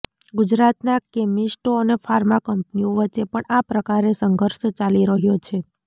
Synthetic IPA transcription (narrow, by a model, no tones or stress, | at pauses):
ɡud͡ʒɾat̪nakemisʈoənefʰaɾmakəmpnioʋət͡ʃːʃepəɳapɾəkaɾesəŋɡʱəɾʃt͡ʃaliɾəɦjot͡ʃʰe